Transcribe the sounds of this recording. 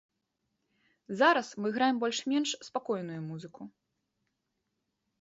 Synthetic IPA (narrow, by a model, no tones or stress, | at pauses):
zaɾɐsmɨɣɾajɛmbɔlʲʂmʲɛnʂspakɔjnujumuzɨku